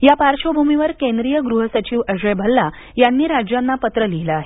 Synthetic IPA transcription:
japaɾɕobʱumiʋəɾkẽnd̪ɾijəɡɾuɦəsət͡ɕiːʋəɕəjbʱəlːa | janːiːɾad͡ʑjanːapət̪ɾəlilaaɦe

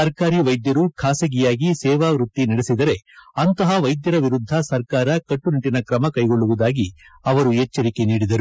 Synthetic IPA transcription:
sɐɾkaːɾiːʋɐjd̪jɐɾukʰaːsɐɡijaːɡisɛːʋaːʋɾut̪ːinɐɽesid̪ɐɾe̞ɐnt̪ɐɦɐʋɐjd̪jɐɾɐʋiɾud̪ʱːɐsɐɾkaːɾɐkɐʈːuniʈːinɐkɾɐmɐkɐjɡo̞ɭːuʋud̪aːɡiɐʋɐɾuɛt͡ʃːɐɾike̞niːɽid̪ɐɾu

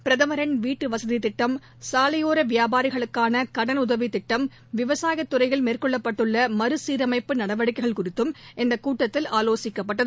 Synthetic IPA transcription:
pɪɾɐðɐmɐɾɐnʋiːʈːɯʋɐsɐðit̪ɪʈːɐm | saːlɐjoːɾɐʋɪjaːbaːɾɪɣɐɭɯkːaːnɐkɐɽɐnʊðɐʋit̪ɪʈːɐm | ʋɪʋɐsaːjɐt̪ːʊɾɐɪɣɐɭmeːrkɔɭːɐpːɐʈːɯɭːɐmɐɾɯsiːɾɐmɐɪpːɯnɐɽɐʋɐɽɪkːɐɪɣɐɭkʊrɪt̪ːɯmʔɪnd̪ɐkuːʈːɐt̪ːɪlaːloːsɪkːɐpːɐʈːɐðɯ

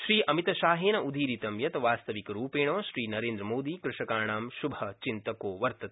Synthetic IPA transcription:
ʃɾiːʔɐmit̪ɐʃaːɦeːnɐʔud̪ʱiːɾit̪ɐmjɐt̪ɐʋaːst̪ɐʋikɐɾuːpeːɳ̃õːʃɾiːnɐɾeːnd̪ɾɐmoːd̪iːkɾɪʂɐkaːɳaːmʃubʱɐt͡ʃint̪ɐkoːʋɐɾt̪ɐt̪

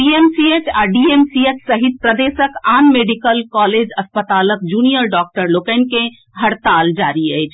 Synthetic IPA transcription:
iemsiet͡ʃaɖiemsiet͡ʃsəɦit̪̚pɾəd̪esəkanmeɖikəlkɔled͡ʒəspət̪alək̚d͡ʒunijəɾɖɔk̚ʈəɾlokəɪn̆ke | ɦəɽt̪ald͡ʒaɾiəjt͡ʃʰ

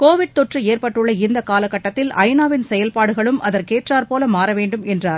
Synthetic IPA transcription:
koːʋɪɽ̚t̪ɔʈrɯeːrpɐʈːɯɭːɐɪnd̪ɐkaːlɐkːɐʈːɐt̪ːɪlɐɪnaːʋɪnsɛjɐlpaːɽɯɣɐɭɯmʔɐðɐɾkeːʈraːɾpoːlɐmaːɾɐʋeːɳɖɯmɛndraːɾ

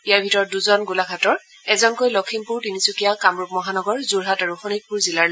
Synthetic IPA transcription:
ijaɹbʱitɔɹɔtduzɔnɡulaɡʰʱatɔɹ | ɛzɔnkojlɔkʰimpuɹtinisukijakamɹupmɔɦanɔɡɔɹzuɹɦataɹuxɔnik̚puɹzilaɹ

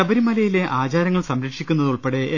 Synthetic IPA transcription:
ɐbɐɾimɐlɐjile̞ʔaːt͡ɕaːɾɐŋːɐɭsɐmɾɐkʂikʲːunːɐðuɭpeɽeʔː

